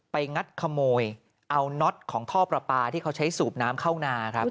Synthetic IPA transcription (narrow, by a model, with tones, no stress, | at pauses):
pa˧jŋa˦˥t̪̚kʰa˧moː˧j | ʔa˧wnɔ˦˥t̪̚kʰɔː˩˦ŋt̪ʰɔː˥˩pɾa˧paː˧t̪ʰiː˥˩kʰa˦˥wt͡ɕʰa˦˥jsuː˨˩p̚naː˦˥mkʰa˥˩wnaː˧kʰɾa˦˥p